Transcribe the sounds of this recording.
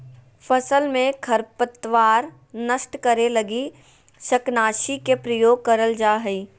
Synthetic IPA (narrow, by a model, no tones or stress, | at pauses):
pʰəsəlmẽkʰəɾpət̪ʋaːɾ | nəsʈkəɾeləɡi | ʃəknaːʃikepɾəjoːɡ̚kəɾəld͡ʒaːɦiː